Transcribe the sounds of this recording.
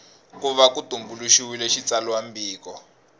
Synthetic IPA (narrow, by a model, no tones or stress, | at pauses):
kuβakutumbuluʃiwilɛʃit͡salɔambiːkɔ